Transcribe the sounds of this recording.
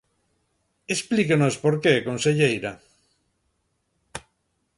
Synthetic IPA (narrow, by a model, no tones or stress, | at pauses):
esplikenospoɾkekõnseʎejɾa